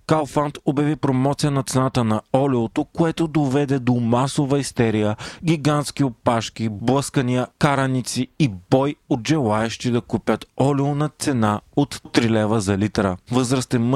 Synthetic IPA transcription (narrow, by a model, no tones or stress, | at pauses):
kalˠfant̪objɐvipɾomɔt̪sijənɐt̪sɛnat̪ənɐɔliot̪okoɛt̪od̪ovɛd̪ɛd̪omasovɐist̪ɛɾijəɡʲiɡant̪sk̟ʲiopaʃk̟ʲiblˠəskəniəkaɾɐnit̪siːbɔjod̪ʒɛlˠaɛʃt̪id̪ɐkupʲjət̪ɔlionɐt̪sɛnaot̪t̪ɾilɛvəzɐlit̪ɾəvɤzɾɐst̪ɛm